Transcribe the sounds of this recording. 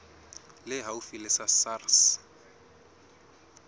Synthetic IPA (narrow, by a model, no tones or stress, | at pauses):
lɪɦaufilɪsasars